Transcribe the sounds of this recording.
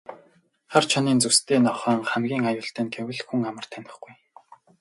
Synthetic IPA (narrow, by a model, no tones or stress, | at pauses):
χart͡ɕʰɔniːnt͡sɵwst̪ʰeːnɔχœːŋχæmɡʲiːŋajʊːɬt̪æːnɡewɘ̆ɮxuŋamə̆r̥t̪ʰænʲɪ̆χɡuj